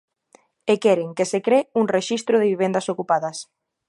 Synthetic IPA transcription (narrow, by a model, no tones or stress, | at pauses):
ekɛɾɪŋkesekɾeuŋreʃist̪ɾʊðɪβiβ̞end̪ɐsokupaðɐs